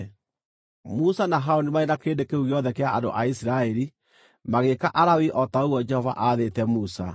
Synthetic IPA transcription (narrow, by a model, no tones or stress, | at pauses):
musanaɦaonimaenakeːndekeuɣeɔðɛkeaado̰ʔaisiɾaɛɾi | maɣekaʔaɾawiʔɔtaoɣwɔd͡ʒɛhɔva̰ʔaðetɛmusa̰